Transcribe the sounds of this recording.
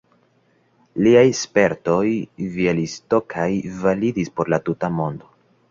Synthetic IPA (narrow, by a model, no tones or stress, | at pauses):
liajspe̞ɾto̞jvielisto̞kʰajvalidispo̞ɾlatutamo̞ndo̞